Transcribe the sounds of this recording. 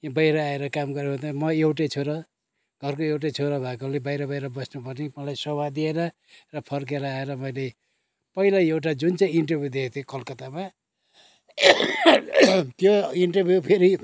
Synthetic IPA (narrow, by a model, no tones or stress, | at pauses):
jbʌjɾʌaeɾʌkamɡʌɾeʌt̪amʌewʈet͡sʰoɾʌ | ɡ̥ʱʌrkoewʈ̬at͡sʰoɾʌbʱakolebajɾʌbʌjɾʌbʌsnupʌrnimʌlajsʌwad̪ieɾʌ | rʌpʰʌrk̬eɾʌaeɾʌmʌjle | pʌilaewʈ̬ad͡zunt͡saj̃iɳʈʌbʱjud̪ekʰt̪ʰekʌlkʌt̪ama | t̪joiɳʈʌbʱjupʰeɾi